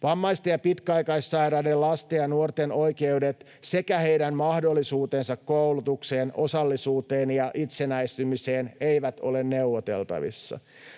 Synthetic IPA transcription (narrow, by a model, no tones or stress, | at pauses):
ʋɑmːɑist̪ejɑpit̪kæɑjkɑisːɑjɾɑːdelɑst̪ejɑnuort̪eno̞jkeudet̪ | se̞kæhe̞jdæmmɑhdo̞lːisuːt̪ensɑkkowlut̪ukseːnʔosɑlːisuːt̪eːnjɑʔit̪senæjst̪ymise̞ːnejʋæt̪o̞̰lenːe̞uʋot̪e̞̰lt̪ɑ̰ʋḭsːɑ̰